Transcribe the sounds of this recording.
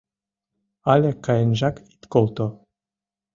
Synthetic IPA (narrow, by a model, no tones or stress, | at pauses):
alɛkajenʒakit̪kolt̪o